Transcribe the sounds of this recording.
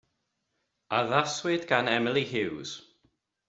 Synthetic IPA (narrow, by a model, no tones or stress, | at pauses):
aðaswɪdɡanɛməlˠiɦɪwz̥